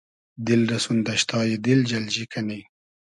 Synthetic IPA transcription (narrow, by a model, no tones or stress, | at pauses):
d̪ɪlɾɐsund̪aʃt̪ɑːjed̪ɪld͡ʒɐld͡ʒikani